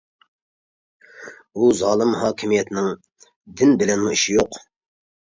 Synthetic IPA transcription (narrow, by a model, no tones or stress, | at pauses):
uzɑːlˠɨmɦɑːkʲʰimijɛt̪ʰɪnɪŋ | d̪ɪnbɪlɛnmuiʃijoq